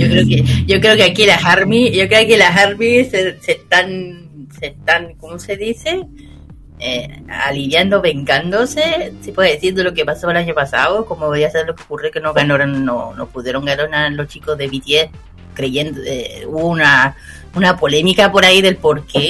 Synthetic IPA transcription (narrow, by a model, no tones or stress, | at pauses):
jokɾeokeʝo̞kɾe̞okeakilaɦaɾmiʝo̞kɾeokelaɦaɾmiseseht̪an | seht̪aŋko̞mo̞se̞ðise̞ | ea̰liβjand̪oβe̞ŋkand̪o̞sesipweeðeθind̪olo̞kepasoelaɲo̞pasa̰okomojasaðlokokurokenoɣanoɾonːo̰nopuðje̞ɾoŋɡanonaɾlo̞st͡ʃikozðeβit̪je | kɾe̞ʝe̞nd̪oḛuβouna | unapo̞le̞mikapo̞ɾaiðe̞lpo̞ɾke